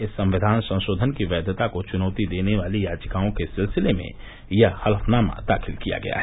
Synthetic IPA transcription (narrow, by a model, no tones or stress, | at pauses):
ɪsːɐ̃mʋɪd̪ʱaːnsɐ̃nʃoːd̪ʱənkiʋɛːd̪ət̪akot͡ʃʊnɔːt̪id̪eːneʋaːlijaːd͡ʒəkaːõkesɪlsɪlemḛ̃ | jɐhɐlfnaːma̰d̪a̰ːxʰɪlkija̰ɡɐ̰ja̰ɦɛ